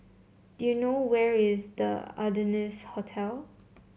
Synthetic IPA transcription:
d̥ujunowɛɹɪzdə̰a̰dənishotʰɛlˠ

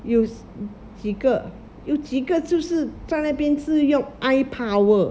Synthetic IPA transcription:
joʊ | t͡ɕiɡə | joʊt͡ɕiɡət͡ɕjoʊʂɻ̩t͡saɪnapjɛnt͡sɹ̩jʊŋʔaɪpʰawə

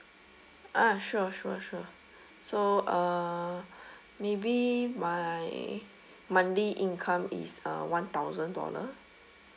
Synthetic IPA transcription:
ʔaʃuʃuʃuə | soʔa | mebimaj | mãndeʔĩnkʰãmḭsə̰wãnt̪awzə̃ndɔ̰lə̰

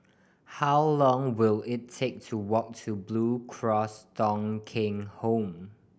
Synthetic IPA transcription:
hawlɔ̃ŋwɪlɪtʰːek̚tʰuwɔk̚tʰublukʰɹɔsdɔ̃ŋkʰɪ̃ŋhõm

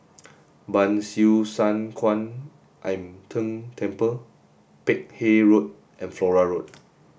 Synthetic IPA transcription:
bãnsusãnkʰwãn | ʔãjmtʰə̃ŋtʰɛ̃mpə | pek̚heɹot̚ | ʔɛ̃nflɔɹaɹot̚

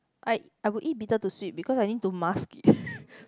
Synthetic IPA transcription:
ʔaj | ajwiʔit̚bitətuswip̚bikɔsajnit̚tumaskt

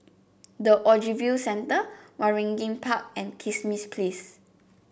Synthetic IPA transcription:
dəʔɔd͡ʒivjisɛ̃ntəwaɹɛ̃ŋɡĩŋpʰak̚ɛ̃nkʰismispʰles

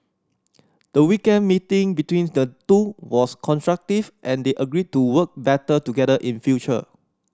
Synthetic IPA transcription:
d̥əwikɛ̃nmitĩŋbitwĩndətuwɔskʰɔ̃nstɹak̚tivʔɛ̃ndeʔəɡɹid̚tuwək̚bɛtətuɡɛdəʔĩnfjut͡ʃə̰

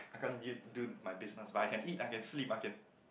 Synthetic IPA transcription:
ajkãnidumajbisnəsbatajkɛ̃nitajkɛ̃nslipajkɛ̃n

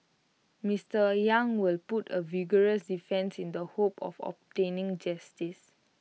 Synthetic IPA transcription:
mistəjãŋwilputəviɡəɹəsdifɛ̃nsĩndəhopʰɔ̰fɔ̰p̚tẽnĩŋd͡ʒastis

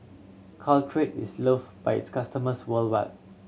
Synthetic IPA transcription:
kʰaltʰɹetisləfb̥ajɪ̰tskʰastəməswəlwaɪt̚

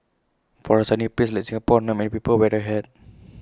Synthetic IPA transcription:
fɔɹəsanipislajk̚sĩŋɡapɔnãmɛ̃nipipəlwɛdəɦɛd̚

